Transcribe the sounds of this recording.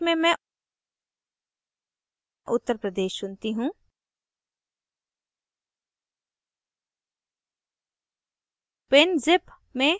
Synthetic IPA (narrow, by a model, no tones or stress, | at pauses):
mẽmɛ̃ | ʔʊt̪ːəɾpɾəd̪eːʃsʊnt̪iɦũː | pɪnzɪp | mẽ